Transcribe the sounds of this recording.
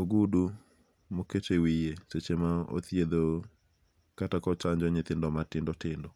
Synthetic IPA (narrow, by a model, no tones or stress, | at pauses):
oɡudu | moketewijeset͡ʃemao̰t̪jed̪o | katakɔt͡ʃaɲd͡ʒɔɲɪt̪ɪndɔmatɪndɔtɪndɔ